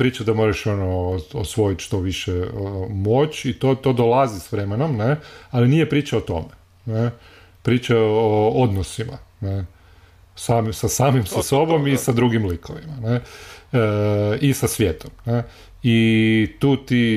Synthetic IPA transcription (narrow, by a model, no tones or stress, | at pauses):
pɾiːt͡ʃad̪amo̞ɾaʃonoosʋo̞jit̪ʃt̪o̞ʋiʃeəmo̞t͡ʃit̪ot̪o̞d̪olˠazisʋɾemenomnealinijepɾiːt͡ʃaot̪o̞̰me̥ | ne | pɾiːt͡ʃaood̪nosimane | samisasaːmimsaso̞bo̞misad̪ɾuɡimlikʰoʋimane | isasʋjet̪ʰomne | it̪uːt̪i